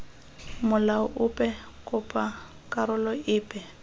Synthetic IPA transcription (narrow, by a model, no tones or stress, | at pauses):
mʊlaʊʔʊpʼɛ | kʼʊpʼa | kʼaɾʊlɔɪːpʼɛ